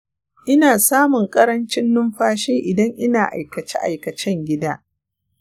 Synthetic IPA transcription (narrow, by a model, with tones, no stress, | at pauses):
ʔɪ˦naː˨saː˦mʊ˨ŋkʼɐ˦ɾɐ˦nt͡ʃɪ˦nːʊ˦mɸaː˦ʃeː˦ʔɪ˨dɐ˦ŋʔɪ˦naː˨ʔa̰˨jkɐ˨t͡ʃḛ˦ʔa̰˨jkɐ˨t͡ʃɛ˦ŋɡʲɪ˦daː˦